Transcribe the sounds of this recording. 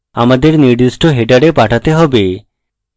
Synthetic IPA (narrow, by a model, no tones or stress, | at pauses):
a̰mad̪eɾniɾd̪isʈoɦeʈaɽepaʈʰat̪eɦɔbe